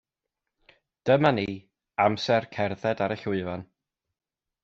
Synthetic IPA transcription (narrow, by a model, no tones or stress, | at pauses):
d̥əmani | amsɛrkʰɛrðɛdaɾəɬʊɨvan